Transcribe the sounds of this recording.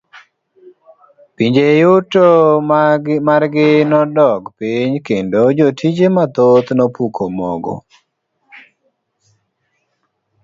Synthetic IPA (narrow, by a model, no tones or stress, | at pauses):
piɲd͡ʒejuto | marɡɪnɔdɔɡpiɲkendod͡ʒotʰid͡ʒemat̪ot̪nɔpukʰomɔ̰ɡɔ̰